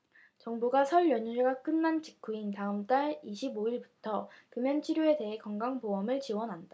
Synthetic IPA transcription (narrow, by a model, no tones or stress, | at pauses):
t͡ɕʌŋbuɡasʰʌɭjʌɲuɾeɡak͈ɯnːant͡ɕi̥k͈ʰːuintaɯmt͈aɭiɕʰiboiɭbutʰʌkɯmjʌnt͡ɕʰiɾjoe̞te̞ɦekʌŋɡaŋpoʌmɯɭt͡ɕiwʌnɦanda